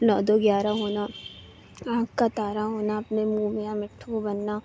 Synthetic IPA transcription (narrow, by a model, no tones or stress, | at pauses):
nɔːd̪oɡjaːɾaɦoːna | ãːkkat̪aːɾaɦoːnaɐpnemũːmɪjãmɪʈʰːũbɐnːa